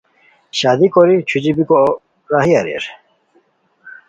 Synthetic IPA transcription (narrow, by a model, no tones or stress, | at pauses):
ɕaːd̪ikoɾit͡ɕʰud͡ʑibiko | ɾaɦiaɾḛɾ